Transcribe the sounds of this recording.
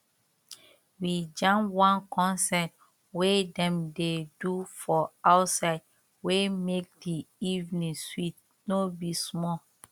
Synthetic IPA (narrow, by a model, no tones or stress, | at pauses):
wid͡ʒãmwãnkɔ̃nsɛt̚ | wedɛ̃mdedufɔaʊtsaɪd̚ | wemek̚diivnĩŋswit̚ | nobismɔ